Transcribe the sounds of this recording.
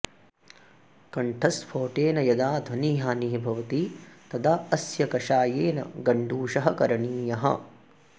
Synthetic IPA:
kɐɳʈʰɐspʰoːʈeːnɐjɐd̪aːd̪ʱɐniːɦaːniɦibʱɐʋɐt̪it̪ɐd̪aɐsjɐkɐʃaːjeːnɐ̰ɡɐɳɖuːʃɐɦɐkɐɾɐɳiːjɐɦɐ̰

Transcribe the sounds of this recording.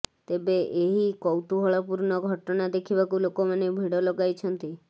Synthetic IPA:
t̪ebeʔeɦikɔwt̪uɦɔɭɔpuɾnɔɡʱɔʈɔnad̪ekʰibakulokomanebʱiɽɔlɔɡajt͡ʃʰɔnt̪i

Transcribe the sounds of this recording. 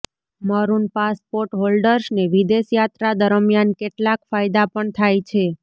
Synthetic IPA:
məɾunpaspoɾʈɦolɖəɾsneʋid̪eʃjat̪ɾad̪əɾəmjankeʈlakfajd̪apəɳt̪ʰajt͡ʃʰe

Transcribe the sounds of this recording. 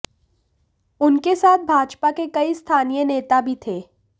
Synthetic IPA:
ʊnkesaːt̪̚ʰbʱaːd͡ʒpakekɐist̪ʰaːnijəneːt̪abʱit̪ʰeː

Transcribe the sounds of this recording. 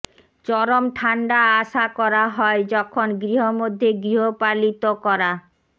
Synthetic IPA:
t͡ɕɔɾomʈʰaɳɖaaʃakɔɾaɦɔed͡ʑɔkʰonɡɾiɦomod̪ʱːeɡɾiɦopalit̪okɔɾa

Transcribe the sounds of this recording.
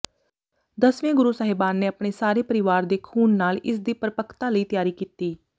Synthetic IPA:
d̪əsʋẽːɡʊɾuːsaːɦɪbaːnːeːapɽ̃eːsaːɾeːpəɾɪʋaːɾd̪eːkʰuːnːaːlɪ̰sd̪iːpɾəpəkʰt̪aːləiːt̪ɪjaːɾiːkiːt̪iː

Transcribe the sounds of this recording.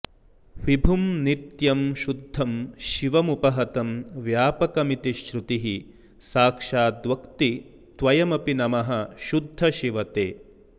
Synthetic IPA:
ʋibʱumnit̪jɐmʃud̪ʱːɐmʃiʋɐmupɐɦɐt̪ɐmʋjaːpɐkɐmit̪iʃɾut̪iɦi | saːkʂaːd̪ʋɐkt̪i | t̪ʋɐjɐmɐpinɐmɐɦɐʃud̪ʱːɐʃiʋɐt̪eː

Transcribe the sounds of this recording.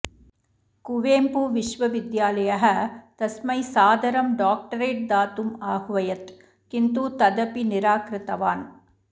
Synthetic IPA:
kʊʋeːmpuʋɪʂʋɐʋɪd̪jaːlɐjɐɦɐt̪ɐsmɐɪsaːd̪ɐɾɐmɖaːk̚ʈɐɾeːʈ̚d̪aːt̪umaːhʋɐjɐt̪ | kɪnt̪uːt̪ɐd̪ɐpinɪɾaːkɾɯt̪ɐʋaːn

